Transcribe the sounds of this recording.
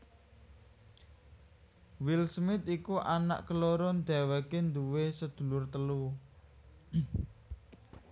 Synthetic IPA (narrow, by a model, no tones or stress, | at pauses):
wilsmɪt̪ikuʔana̰ʔkəloɾɔnd̪a̤wekend̪uwesəd̪̥ṳlʊrt̪əlu